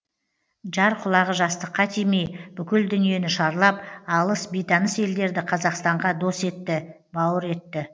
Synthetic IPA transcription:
ʒɑɾqʰʊlˠɑʁəʒɑst̪əqʰːɑt̪ʰejmejb̥ʏkʲɪld̪ʏnije̞nɪʃɑɾlˠɑp̚ɑlˠəsbejt̪ɑnəse̞ld̪e̞ɾd̪ɪqʰɑzɑqst̪ɑɴʁɑd̪o̞se̞t̪ːɪ | bɑwəɾe̞t̪ːɪ

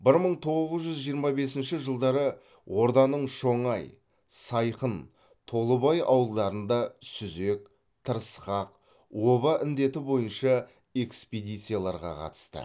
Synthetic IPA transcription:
bɪɾməɴt̪ʰo̞ʁʁəzʒʏzʒijəɾmɑbe̞sɪnʃɪʒəlˠd̪ɑɾə | wʔo̞ɾd̪ɑnəɴʃo̞ɴɑj | sɑjqən | t̪ʰo̞lˠəbɑjʔɑ̰wəlˠd̪ɑɾənd̪ɑsʏze̞k̚ | t̪ʰəɾsqɑq | wo̞βɑʔɪnd̪e̞t̪ɪbo̞jənʃɑ | e̞ksped̪ijt̪sɨjalˠɑɾʁɑ̰qʰɑ̰t̪ə̥st̪ə̰

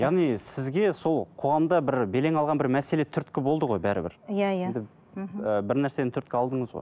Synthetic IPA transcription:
jɑʁnijsɪzɡʲe̞so̞lˠqʰo̞ʁɑmd̪ɑbɪɾbe̞le̞ŋɑlˠʁɑnbɪɾmæse̞le̞t̪ʰʏɾt̪kʲɪbo̞lˠd̪əʁo̞jbæɾɪ̰bɪ̰ɾjajnd̪ɪ | əbɪɾnæɾse̞d̪ent̪ʰʏɾt̪kʲɪɑlˠd̪əɴəzʁo̰

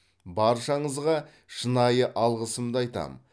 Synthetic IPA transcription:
bɑɾʃɑɴəzʁɑ | ʃənɑjəʔɑlˠʁəsəmd̪əɑjt̪ɑ̰m

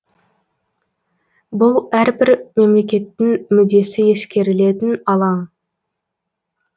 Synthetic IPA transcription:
bʊlˠæɾbɪɾme̞mle̞kʲe̞t̪ːɪŋmʏd̪e̞sɪe̞skʲe̞ɾɪle̞t̪ɪnɑlˠɑɴ

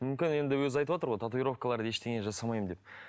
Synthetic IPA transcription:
mʏmkʲɪne̞nd̪ɪwɵzɑjt̪əpwot̪əɾʁo̞jt̪ʰat̪uijɾo̞fkəlˠɑɾd̪əje̞ʃt̪e̞ɡʲeʒɑsɑmɑjmənd̪e̞p

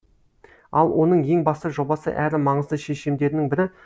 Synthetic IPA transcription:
ɑlˠwo̞n̪əɴje̞ŋbɑst̪əʒo̞bɑsə̰ʔæɾɪmɑɴəzd̪əʃeʃemd̪e̞ɾɪnɪŋbɪɾɪ

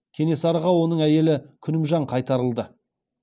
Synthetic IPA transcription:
kʲʰe̞ne̞sɑɾəʁɑwo̞nəɴæje̞lɪkʲʰʏnɪmʒɑɴqʰɑjt̪ɑɾəlˠd̪ə

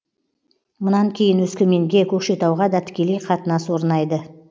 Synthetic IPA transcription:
mʊnɑŋkʲʰe̞jɪnɵskʲɪme̞ŋɡʲe̞kʲʰɵkʃe̞t̪ɑwʁɑd̪ɑt̪ʰɪ̥kʲe̞le̞jqʰɑt̪ənɑswo̞ɾnɑjd̪ə

